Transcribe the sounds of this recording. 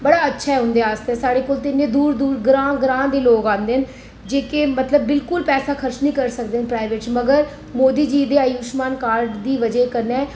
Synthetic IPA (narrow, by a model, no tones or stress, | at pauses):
bəɽaːətːʃʰaːɦɛːɦʊ̃nd̪eːaːst̪eɛːsaːɽeːkoːlt̪ɪnːẽːd̪uːɾd̪uːɾɡɾãːɡɾãːd̪eːloːɡãːnd̪eːɦən | d͡ʒeːkemət̪ləbːɪlkʊlpɛːsaːkʰəɾʃnĩːkəɾsək̚d̪eːɦnpɾaːɪʋeːʈt͡ʃməɡəɾ | moːd̪iːd͡ʒiːd̪eːəjuːʃmaːnkaːɾɖd̪iːʋəd͡ʒeːkəɾnɛː